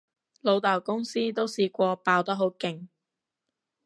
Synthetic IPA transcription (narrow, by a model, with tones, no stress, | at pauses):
lo˨˧wt̪aː˨˩wkʊ˥ŋsiː˥t̪o˥wsiː˧kʷɔː˧paː˧wt̪ɐ˥ɦo˨˥wkɪ˨ŋ